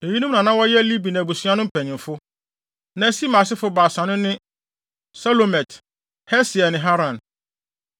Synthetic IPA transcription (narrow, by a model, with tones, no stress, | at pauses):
e˨ji˦nũ˦m˦nã˨nã˦wɔ˦jɛ˦li˦bi˨nã˨bu˨sɥa˦nʊ̃˦m̩˦pʰɛ˨nɪ̃˨m˨fʊ˦ | nã˨˦si˦mã˨s̬ɪ˦fʊ˦baː˨sã˨nʊ̃˦nɪ̃˦ | sa˦lo˨mɛ˨t | hɛ˦sɪ˨ɛ˨nɪ̃˨ɦa˦ɾã˨n